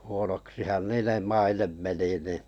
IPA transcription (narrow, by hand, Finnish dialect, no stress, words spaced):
huonoksihɑn niːnem mɑinem meni niˑ